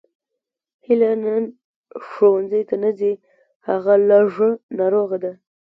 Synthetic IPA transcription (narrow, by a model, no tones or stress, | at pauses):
hɪlanan | ʂowanzəjt̪anazi | haɣalɑʐənɑɾoɣad̪a